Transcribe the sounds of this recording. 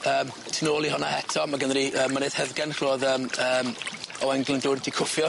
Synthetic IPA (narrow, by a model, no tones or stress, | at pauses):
əːm | tʰənoːlˠiɦɔnahɛtʰɔmaɡənɾiəːmːaneːð̥hɛðɡɛnχroːðəːməːmɔɛŋɡlɪndoːddikʰʊfjɔ